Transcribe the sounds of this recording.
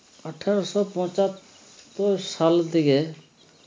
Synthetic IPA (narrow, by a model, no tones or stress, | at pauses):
əʈʰaɾɔsɔpɔ̃t͡ʃat̪ː | ɔɾsalt̪iɡe